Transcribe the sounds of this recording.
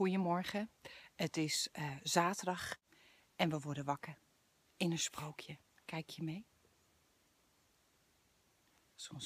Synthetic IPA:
ujəmɔɹχəətɪsz̥aːtədɑχ | ɛnʋəʋɔɹdəʋɑkər | ɪnənsprowkʰjə | kɛjkʰjəmej | sɔms

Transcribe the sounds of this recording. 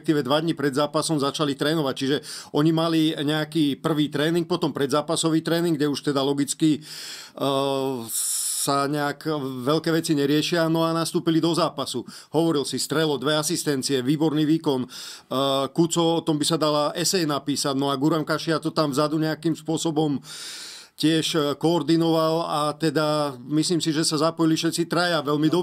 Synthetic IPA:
k̚t̪iːʋɛd̪ʋad̪ɲipɾɛd̪zaːpasɔmzat͡ʃalit̪ɾɛːnɔʋac̚t͡ʃiʒɛɔɲimaliɲɛakiːpr̩ʋiːt̪ɾɛːniŋk̚pɔt̪ɔmpɾɛd̪zaːpasɔʋiːt̪ɾɛːniŋɡɟɛuʃt̪ɛd̪alɔɡit͡ski | saɲɛakʋɛlkɛːʋɛt͡siɲɛɾɪɛʃɪanɔanast̪uːpilid̪ɔzaːpasu | hɔʋɔɾilsist̪ɾɛlɔd̪ʋɛasist̪ɛnt͡siɛʋiːbɔɾniːʋiːkɔn | kut͡sɔɔt̪ɔmbisad̪alaɛsɛjnapiːsaɟnɔaɡuɾamkaʃiat̪ɔt̪amvzad̪uɲɛakimspʊɔsɔbɔm | cɪɛʃkɔːɾd̪inɔʋalat̪ɛd̪amisliːmsiʒɛsazapɔjilifʃɛt̪t͡sit̪ɾajaʋɛlmid̪ɔ

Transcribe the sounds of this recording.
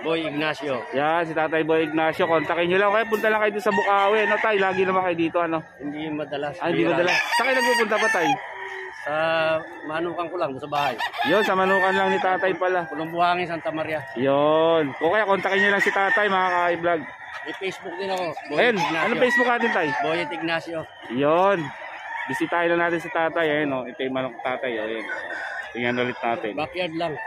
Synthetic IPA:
bojɪɡ̚nasjojansɪt̪aːt̪ɐjbojɪɡ̚naːsjo̞kont̪ɐkɪɲɲolaŋʔokɐjap̬ʊnt̪alaŋkɐjʊd̪ʊnsɐbʊkaːwɛɐnot̪ajlaːɡɪnɐmaŋkɐjd̪iːt̪o̞ʔɐno̞hɪnd̪ijŋmɐd̪ɐlasʔaɪnimɐd̪ɐlassɐkajnɐɡ̚puːpʊnt̪abɐt̪aj | sɐ | mɐnuːkɐŋkolaŋd̪ʊnsɐbaːhajjonsɐmɐnuːkɐnlaŋnɪt̪aːt̪ajpɐlapɐnʊmbʊhaːŋɪnsant̪ɐmaɾjajonkoːkɐjakont̪akɪɲːalaŋsɪt̪aːt̪ajmɐŋaːkaːɪblaɡ̚ | ipejsbʊk̚d̪ɪnɐkobɐjonɡ̚naɐnopejsbʊk̚naːt̪ɪnt̪ajbojɐt̪ɪɡ̚nasjo | jon | bɪsɪt̪aːʔɪnlɐnaːt̪ɪns̬ɪt̪aːt̪ajɐjonoɛt̪ɛjmɐnokt̪aːt̪ajoːjonp̪ɪŋɐnɐlɪt̪̚naːt̪ɪnbapjɐd̪laŋ

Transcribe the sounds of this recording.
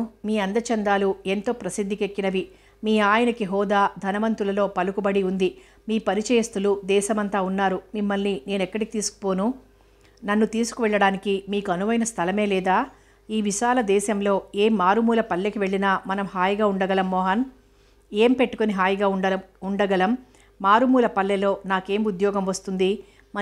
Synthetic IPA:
miːɐnd̪ɐt͡ʃɐnd̪aːlue̞nt̪o̞ːpɾɐsid̪ʱːikekːinɐʋi | miːaːjɐnɐkiɦɔːd̪aːd̪ʱɐnɐʋɐnt̪ulɐlo̞ːpɐlukubɐɽiund̪i | miːpɐɾit͡ʃɐjɐst̪ulud̪ɛːʃɐmɐnt̪aːunːaːɾumimːɐlnine̞ːnɛkːɐɽikit̪iːsu̥ku̥po̞ːnu | nɐnːut̪iːsu̥kuʋɛɭːɐɽaːnikimiːkuɐnuʋɐjnɐst̪ʰɐlɐme̞ːlɛːd̪aː | iːʋiʃaːlɐd̪ɛːʃɐmlo̞ːeːmːaːɾumuːlɐpɐlːekiʋe̞ɭːinaːmɐnɐmɦaːjɐɡaːuɳɖɐɡɐlɐmːɔːɦɐn | e̞ːmpe̞ʈːu̥koniɦaːjɐɡaːuɖɐuɳɖɐɡɐlɐmː | aːɾumuːlɐpɐlːɛlo̞ːnaːke̞ːmud̪jɔːɡɐmʋɐst̪und̪i | mɐ

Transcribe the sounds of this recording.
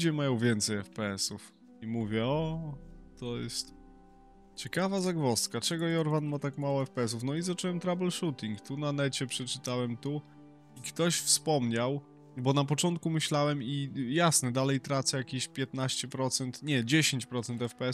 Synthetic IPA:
d͡ʑɛmajɔ̃w̃vʲjɛnt̪sɛjɛfpɛɛsuf | imuvʲjɛɔ | t̪ɔjɛ̰st̪ | t͡ɕɛkavazaɡvɔst̪kat͡ʂɛɡɔjɔɾvanmat̪akmawɔɛfpɛɛs̬ufnɔizat͡ʂuwɛmt̪ɾabɛlʂut̪ʲiŋkt̪unanɛt͡ɕɛpʂɛt͡ʂɘt̪awɛmt̪u | ikt̪ɔɕfspɔmɲaw | bɔnap̬ɔt͡ʂɔnt̪̚kumɘɕlawɛmijasnɛd̪alɛjt̪ɾat̪sajakʲeɕpʲjɛt̪naɕt͡ɕɛpɾɔt̪sɛnt̪ɲɛd͡ʑeɕeɲt͡ɕpɾɔt̪sɛnt̪ɛfpɛɛ

